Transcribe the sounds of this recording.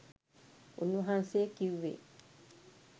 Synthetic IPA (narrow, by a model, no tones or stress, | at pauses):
ʔṵnuɦanseːkiwːḛ